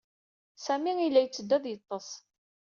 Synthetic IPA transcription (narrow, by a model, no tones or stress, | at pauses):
sæmiilːæjt͡sːəd̪ːæðˤjət̪ˤːəsˤ